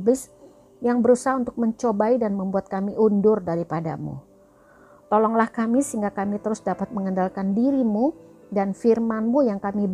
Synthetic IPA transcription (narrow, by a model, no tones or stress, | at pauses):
bɪs | jaŋbəɾusaɦaunt̪ʊk̚məɲt͡ʃobaidanməmbuat̪̚kamiʔundʊrdaɾipada̰mṵ | t̪olɔŋlahkamisəɦiŋɡakamit̪əɾʊsdapat̪̚məŋəndalkandiɾimu | danfirmanmujaŋkamib